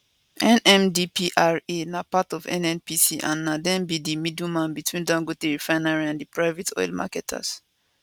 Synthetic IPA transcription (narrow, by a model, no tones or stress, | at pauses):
ʔɛ̃nɛ̃mdipʰiʔaɹenapatɔvɛ̰̃nɛ̃npisiʔã̰nːadɛ̃nbidimidũmãnbitwĩndãŋɡoteɹifãɪnaɹiãndipɹaɪvetʰɔ̰jlma̰kɛtʰa̰s